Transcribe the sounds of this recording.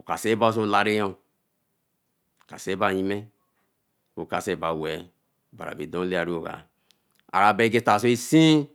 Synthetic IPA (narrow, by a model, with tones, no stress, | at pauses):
o˨ka˨se˦ba˦s̬o˦˨la˨ɾe˦jo˦˨ | ka˨se˦ba˦˨ɲi˦me˦ | o˨ka˨se˦˨ba˨wɛ˨ | ba˨ɾa̰˨be˨dõ˦le˦a˨ɾi˦o˨ka̰˨ | a̰˨ɾa˨be˦ɡe˦ta˨s̬o˦e˦si˦